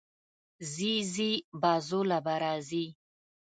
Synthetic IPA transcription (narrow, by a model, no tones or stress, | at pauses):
zizibazolabaɾazi